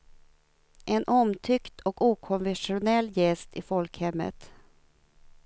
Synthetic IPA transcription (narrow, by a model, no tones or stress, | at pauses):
ʔɛnʔɔmt̪ʰʏkt̪ʰɔkuːkʰɔnvɛnʂʊnɛlːjɛst̪ɪfɔlkhɛmːə̰t̪